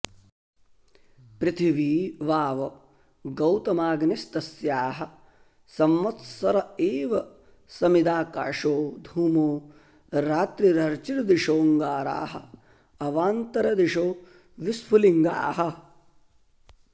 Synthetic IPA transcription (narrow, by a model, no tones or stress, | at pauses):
pɾɪt̪ʰiʋiːʋaːʋɐ | ɡɐwt̪ɐmaːɡnest̪ɐsjaːɦɐ̆ | sɐmːɐt̪sɐɾɐeːʋɐ | sɐmid̪aːka̰ːʂoːd̪ʱuːmoː | ɾaːt̪ɾiɾɐɾt͡ʃiɾɐd̪iʂoːŋɡaːɾa̰ːɦɐ̰ | ɐʋaːnt̪ɐɾɐd̪iʂoː | ʋispuliŋɡa̰ːɦɐ̆